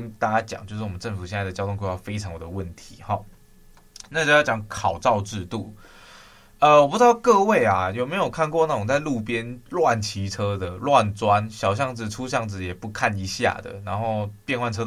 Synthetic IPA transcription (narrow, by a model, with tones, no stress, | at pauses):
ə˥nt̪a˥˧t͡ɕa˥t͡ɕjɑ̰˨˩˦ŋt͡ɕjo˥˧ʂɻ̩˥˩wɔ˨˩ə˦ʈ͡ʂə˥˩nfu˨˩ɕjɛ˥˧na˥˩d̪ə˩t͡ɕjɑ˥ʊt̪ʰʊ˥˧ŋkwe˥˧˩wa˥˩fe˥ɪʈ͡ʂʰɑ˧˥ŋjo˨˩d̪ə˦wə˥˩nt̪ʰi˨˦xɔ˥˩ | na˥˧˩t͡ɕo˥˧jt͡ɕjɑ˧˥ŋkʰɑ˨˩ʊt͡sɑ˥˧ʊʈ͡ʂɻ̩˥˧t̪u˥˨˩ | ə˧wɔ˨pu˧˥ʈ͡ʂ̪kɤ˥˧we˥˩ɪa˩jo˨˩ʊme˧˥ɪjo˨˩ʊkʰa˥˧nkwɔ˥˧na˥˩ʈ͡ʂʊ˨˩ŋt͡sa˥˧ɪlu˥˨pjɛ˥˦nlwa˥˩nt͡ɕʰi˧˥ʈ͡ʂʰɤ˥d̪ə˨lwa˥˨nt͡swa˦nɕjɑ˨˩ʊɕ̬jɑ˥˧ŋd͡zɹ̩˥˩ʈ͡ʂʰu˥ɕjɑ˥˩ŋd͡zɹ̩˨˩jɛ˨˩pu˧˦kʰa˥˩ni˧˥ɕja̰˥˩d̪ə̰˩na˧˥nxo˥˧ʊpjɛ˥˧nxwa˥˩nʈ͡ʂʰɤ˥